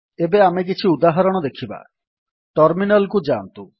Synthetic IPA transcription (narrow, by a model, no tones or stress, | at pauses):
ebeamek̬it͡ʃʰiud̪aɦɔɾɔɽ̃ɔd̪ekʰiba̰ | ʈɔɾminɔlkud͡ʒant̪u